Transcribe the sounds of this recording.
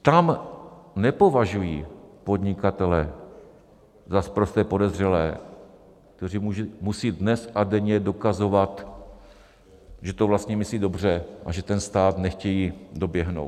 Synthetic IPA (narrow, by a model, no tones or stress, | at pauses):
t̪am | nɛpo̞vaʒujiːpo̞d̪ɲɪkat̪ɛlɛ | zaspɾost̪ɛːpo̞dɛzr̝ɛlɛː | k̚t̪ɛriːumusiːdnɛsʔadɛɲɛdo̞kazo̞vat̪ | ʒɛt̪ovlast̪ɲɛmɪsliːdo̞br̝ɛʔa̰ʒɛt̪ɛnst̪aːt̪nɛxcɛjiːdo̞bjɛɦno̞̰wt̪